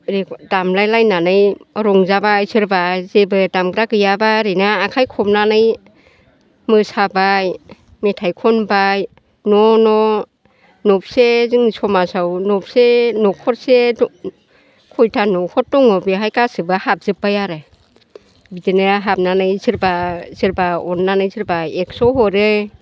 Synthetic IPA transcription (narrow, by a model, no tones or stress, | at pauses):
ɾekdamlajlajnanɯjɾɔŋzabajsɯɾbazebɯdamɡɾakɯjabaɾɯnaːkʰajkʰɔp̚nanɯj | mɯsabaj | metʰajkʰɔnbaj | nɔnɔ | nɔp̚sezɯŋisʰɔmasawnɔp̚senɔkʰɔɾse | kʰɔjtʰanɔkʰɔt̚dɔŋɔbɯɦajkasɯbahap̚zɯpːajaɾɯ | bidenɯɦap̚nanɯjziɾbazɯɾbaɔnːanɯjziɾbaek̚sɔɦɔɾɯ